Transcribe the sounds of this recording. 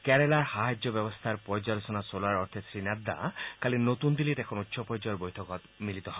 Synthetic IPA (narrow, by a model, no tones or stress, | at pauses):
kɛɾelaɾhaɦad͡ʒːɔbɛbɔst̪ʰaɾpɔjd͡ʒalosɔnasolaɾɔɾt̪ʰesɾinad̪ːa̰kalinot̪und̪ilit̪ɛkʰɔnut̪ːʃʰɔpɔɾd͡ʒɔjɔɾbojt̪ʰɔkɔt̪milit̪ɔɦɔ